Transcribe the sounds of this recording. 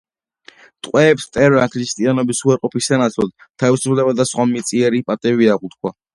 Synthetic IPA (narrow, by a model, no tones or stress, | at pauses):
t̪ʼqʼwɛːpst̪ʼɛɾakʰɾist̪ʼianɔbisuaɾqʼɔpisanat̪sʰlɔd̪t̪ʰavisupʰlɛbad̪asχwamit̪sʼiɛɾipʼat̪ʼɛbiaʁut̪kʰwa